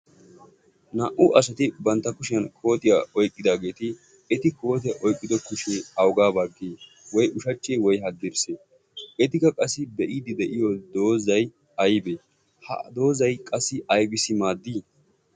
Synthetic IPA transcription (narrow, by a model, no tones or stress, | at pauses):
nɐʔʊʔɐsɐt̪ɪbɐnt̪ːɐkʊʃɪjɐnkʰo̞ːt̪ʼɪjaɔjkʼːɪd̪aːɡe̞ːt̪ɪ | ɛt̪ɪko̞ːt̪̬ɛʔɔjkʼːɪd̪ɔkʊʃeɐwɡaːbɐɡːeː | wɔjʔʊʃɐt͡ʃːewɔjɦɐd̪ɪɾseː | ɛt̪ɪkːɐkʼɐsːɪbɛʔiːd̪ɪd̪ɛʔɪjɔd̪o̞ːzɐj | ɐjbeː | hɐ̰d̪o̞ːzɐjkʼɐsːɪɐjbɪsɪmaːd̪ːiː